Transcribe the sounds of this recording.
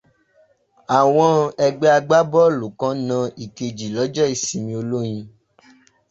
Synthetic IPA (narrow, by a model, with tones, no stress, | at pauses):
a˨w̃ɔ̃˧ɛ˧ɡ͡bɛ˦a˧ɡ͡ba˦bɔ˦˨lo˨kã˨˦nã˧ʔi˨ke˨d͡ʒi˨lɔ˨˦d͡ʒɔɛ˦i˨sĩ˧mĩ˧o˧lo˦j̃ĩ˧